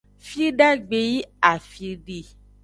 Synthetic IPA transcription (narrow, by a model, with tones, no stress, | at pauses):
fi˦ɖa˦ɡ͡be˨ji˦a˨fi˧ɖe˨